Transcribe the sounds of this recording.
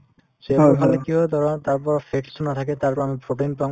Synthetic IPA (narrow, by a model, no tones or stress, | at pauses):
seɔkʰalekiɦɔd̪ʱɔɾɔt̪aɾpɔɾpʰeksunat̪ʰaket̪aɾpɔɾamipɾoʈenpã